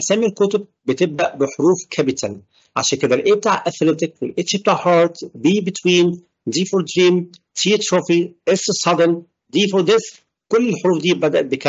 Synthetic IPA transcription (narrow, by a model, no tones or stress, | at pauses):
sæːmilkot̪ob̚ːet̪eb̚d̪æʔbeħoɾuːfkʰæbɪt̪ʰæn | ʕa̰ʃæːnked̪ælʔeːb̚t̪aːʕʔæθleb̚t̪ɪk̚welʔeʃib̚t̪aːʕħɑːɾˤt̪biːbet̪wiːn | d̪iːfoɾd̪ɾiːmt̪ʰit̪ɾofiʔessˤɑd̪en | d̪iːfoɾd̪es | kolːelħoɾuːfd̪iːbæd̪æʔæt̪̚bekæ